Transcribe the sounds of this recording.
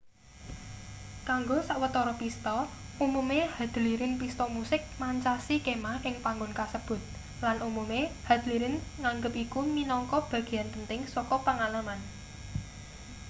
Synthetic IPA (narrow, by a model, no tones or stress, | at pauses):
kaŋɡosaʔwət̪ɔɾɔpist̪ɔʔumumehad̪̥ə̤liɾɪnpist̪ɔmusɪk̚maɲt͡ʃasikemaʔɪŋpaŋɡʊnkasəb̥ʊ̤t̪̚ | lanʔumumeha̤d̪̥əliɾɪnŋaŋɡəp̚ikuminɔŋkɔb̥a̤ɡ̥i̤anpənt̪ɪŋsɔkɔpəŋalaman